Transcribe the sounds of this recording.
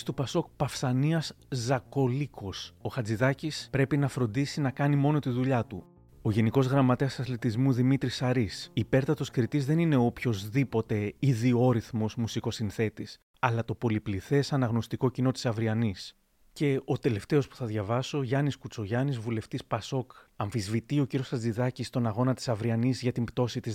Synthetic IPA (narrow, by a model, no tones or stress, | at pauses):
st̪upɐso̞k̚pɐfsɐniɐs | zɐko̞liko̞so̞xɐd͡ziðɐcispɾe̞pinɐfɾo̞nd̪isinɐkɐnimo̞no̞t̪iðuʎɐt̪u | o̞ʝe̞niko̞zɣɾɐmɐt̪e̞ɐsɐθlit̪izmuðimit̪ɾisɐɾisːpe̞ɾt̪ɐt̪o̞skɾit̪izðe̞nine̞opço̞zðipo̞t̪e̞iðioɾiθmo̞zmusiko̞sinθe̞t̪is | ɐlɐt̪o̞po̞lipliθe̞sɐnɐɣno̞st̪iko̞cino̞t̪i̥sɐvɾiɐnis | ce̞o̞t̪e̞le̞ft̪e̞o̞spu̥θɐðʝɐvɐso̞ʝɐniskut͡so̞ʝɐnizvule̞ft̪ispɐso̞kɐɱfizvit̪io̞ciɾio̞sɐzd̪iðɐcist̪o̞nɐɣo̞nɐt̪i̥sɐvɾiɐnizʝɐt̪impt̪o̞sit̪iz